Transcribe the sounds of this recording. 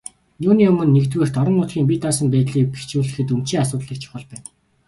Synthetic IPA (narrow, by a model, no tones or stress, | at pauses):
juːniːɵmɵ̆nːekt̪weːr̥t̪ɔɾə̆nːʊːt̪ɡʲiːŋp̬ʲit̪aːsə̆mpæːt̪ɮiːk̚pe̥t͡ɕuːɮɘ̆xɘ̆t̪̬ɵm̥t͡ɕiːŋasʊːt̪ɮĭk̚t͡ɕʰʊ̥χɞ̆ɮpæːn